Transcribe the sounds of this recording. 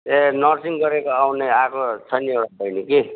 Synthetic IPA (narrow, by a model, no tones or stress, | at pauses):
enʌrsiŋɡʌɾekoawneakʰot͡sʰʌniewɽabʌjniki